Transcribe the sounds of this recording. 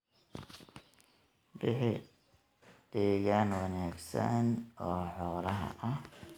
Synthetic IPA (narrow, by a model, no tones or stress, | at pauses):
bɪħɪ | d̪̥ɛːɣanwɐnaːɡsɐ̰nɔːħɔːlɐɦɐ̰ʔɐh